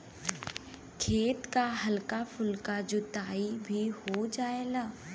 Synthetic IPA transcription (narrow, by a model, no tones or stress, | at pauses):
kʰeːt̪kaɦɐlkafʊlkad͡ʒʊt̪aːibʱihod͡ʒaːeɡaː